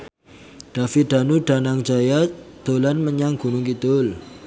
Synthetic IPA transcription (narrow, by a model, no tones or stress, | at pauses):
ɖ̥a̤fid̪̥a̤nuɖ̥a̤naŋd͡ʒajad̪̥olanməɲaŋɡ̥ṳnʊŋkit̪ʊl